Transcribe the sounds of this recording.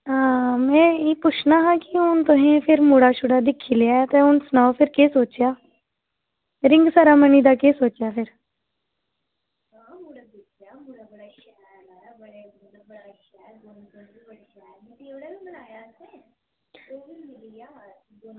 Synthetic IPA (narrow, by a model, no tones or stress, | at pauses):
aːmɛ̃ːiːpʊt͡ʃʰnaːɦãːkɪʊnt̪ʊɦẽːpʰɪɾmuːɽaːʃʊɽaːd̪ɪkʰːiːleaːt̪ẽːʊnsnaːopʰɪɾkeːsoːt͡ʃɪjaː | ɾɪ̃ŋɡsaːɾaːməniːd̪aːkeːsoːt͡ʃjaːpʰɪɾ | kʰː | bnaːja